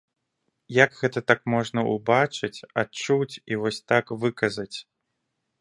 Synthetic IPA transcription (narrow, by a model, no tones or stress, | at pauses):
jɐkɣɛt̪ɐt̪akmɔʐnɐʔubat͡ʂɨt͡sʲat͡ʂut͡sʲivɔsʲt̪akvɨkɐzɐt͡sʲ